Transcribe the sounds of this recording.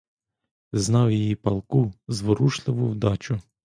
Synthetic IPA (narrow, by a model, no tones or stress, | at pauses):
znɑwjijipɐlˠkuzʋɔɾuʃlˠɪʋʊwd̪ɑt͡ʃʊ